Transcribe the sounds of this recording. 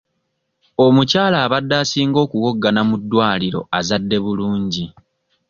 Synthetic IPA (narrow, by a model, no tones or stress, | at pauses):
o̞mucaːlaːβadːaːsiːŋɡo̞ːkuɣo̞ɡːanamudːwaːliɾo̞̰azadːe̞βuluːɲɟi